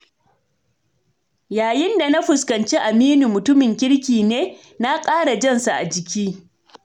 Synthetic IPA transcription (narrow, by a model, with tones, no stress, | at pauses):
jaː˨jɪ˦nda˨na˦ɸʊ˨skɐ˨nt͡ʃiː˦ʔa˨miː˦nu˨mʊ˨tʊ˦mɪ˨ŋkʲɪ˦ɽkʲiː˨neː˦ | na˦kʼaː˦ɽa˨d͡ʒɐ˦nsa˨ʔa̰˨d͡ʒɪ˨kʲiː˦